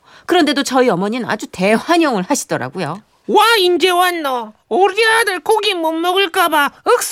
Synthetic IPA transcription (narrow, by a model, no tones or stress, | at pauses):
kɯɾʌnde̞dot͡ɕʌiʌmʌɲina̰d͡ʑute̞ɸwaɲʌŋɯɭhaɕʰi̥d̥ʌɾa̰ɡujo | waind͡ʑewanːʌoɾiadɯɭkoɡimomːʌɡɯɭk͈abaɯk̚s